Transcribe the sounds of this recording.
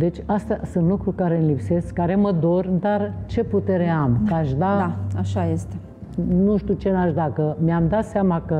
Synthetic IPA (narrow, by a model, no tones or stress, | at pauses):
d̪e̞t͡ʃʲast̪asunt̪lukɾukaɾe̞ɨnlipse̞skːaɾe̞məd̪o̞rd̪art͡ʃe̞put̪e̞ɾeamkaʃd̪aaaʃajest̪e | nuʃt̪ut͡ʃe̞naʃd̪akəmeamd̪at̪seamakə